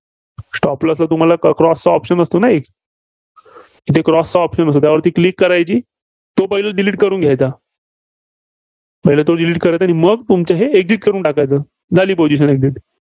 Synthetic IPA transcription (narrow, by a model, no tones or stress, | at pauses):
sʈɔpləslat̪um̤alakɾɔst͡saɔpɕənəst̪onaek | kit̪ʰekɾɔst͡saɔpɕənəst̪oːt̪jaʋəɾt̪iːklikːəɾajt͡ɕiː | t̪opəɡilaɖiliːʈ̚kəɾuːnɡʱjajt͡sa | pəɦilat̪oɖiliːʈ̚kəɾajt̪aɽ̃iməɡt̪umt͡ɕaɦeek̚d͡ziʈ̚kəɾuːɳʈakajt͡səː | d͡zʱaliːpod͡ʑiɕ̬ənek̚d͡ʑiʈ